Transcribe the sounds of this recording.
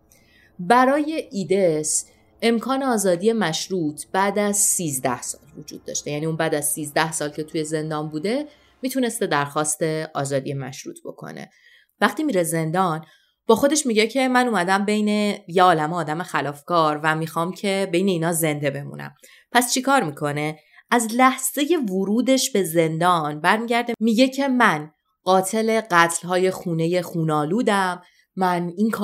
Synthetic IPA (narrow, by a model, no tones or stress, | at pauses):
bæɾɒːje̞ʔiːd̪es | e̞mkʰɒːneɒːzɒːd̪ije̞mæʃɾuːt̪ʰb̥æːd̪æzsiːzd̪æhsɒ̰ːlvud͡ʒṵːd̪̥̚ːɒ̰ːʃt̪e̞jæniːumbæːd̪æz̥siːzd̪æhsɒːlcʰe̞t̪ʰuje̞ze̞nd̪ɒːnbuːd̪e̞ | mit̪ʰune̞st̪e̞d̪æɾxɒːst̪e̞ɒ̰ːzɒːd̪ḭjemæ̰ʃɾṵːt̪ʰb̥o̞̰kʰo̰nḛ | væχt̪iːmiɾeze̞nd̪ɒn | b̥ɒːxo̞d̪e̞ʃmiɟecʰe̞mænumæd̪æmbe̞jne̞jeɒːlæmeɒːd̪æmexælɒːfkɒːɾvæmixɒːmcʰe̞bejne̞iːnɒːze̞nd̪e̞be̞mṵːnæ̰m | pʰæst͡ʃʰikʰɒːɾmikʰo̞ne̞ | æzlæhz̥e̞je̞voɾuːd̪e̞ʃbe̞ze̞nd̪ɒːnbæɾmiːɟæɾd̪e̞miːɟe̞cʰe̞mæn | ɢɒːt̪ʰe̞le̞ɢæt̪ʰlhɒːje̞xuːne̞je̞xuːnɒːluːd̪æmː | æniŋkʰː